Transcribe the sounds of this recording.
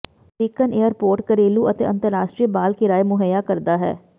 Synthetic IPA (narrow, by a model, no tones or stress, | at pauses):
ɾiːkəneːəɾpoːɾʈkəɾeːluːət̪eːʔə̃nt̪əɾːaːʃʈɾiːbaːlkiɾaːjmʊɦəjaːkəɾd̪aːɦɛ̰ː